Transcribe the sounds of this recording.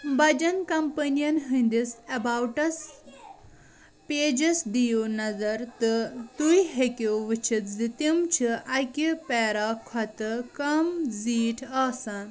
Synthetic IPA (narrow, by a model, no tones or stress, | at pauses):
bɐd͡ʒɐnkɐmpɐnijɐnɦɨnd̪isɐbawʈɐs | peːd͡ʒɐsd̪ijunɐzɐɾt̪ɨt̪ujɦekuʋɨt͡ʃʰit̪zit̪imt͡ʃʰiʔɐjkipɛːɾakʰɐt̪ɨkɐmziːʈʰaːsaːn